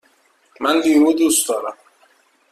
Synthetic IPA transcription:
mænd̪iːmuːd̪usd̪ɒːɾæm

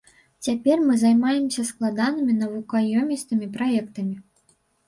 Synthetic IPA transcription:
t͡sʲapʲɛrmɨzajmajɛmsʲɐsklˠad̪anɨmʲinɐvukajɔmʲist̪ɨmʲipɾajɛkt̪ɐmʲi

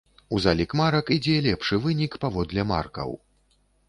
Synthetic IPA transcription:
uzalʲikmaɾɐkid͡zʲɛlʲɛpʂɨvɨnʲikpavɔd̪lʲɐma̰rkɐ̰w

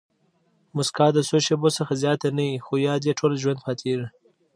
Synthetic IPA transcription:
mʊskɑd̪əsoʃebosəxazjɑt̪anawixojɑd̪jeʈʰolʒwand̪̚pɑt̪ʰeʐi

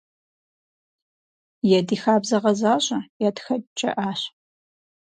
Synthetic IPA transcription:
jɛdiːxaːbzɐʁɐzaːɕʼɐjɛtxɐt͡ʃʼɐ̰ʔaːɕ

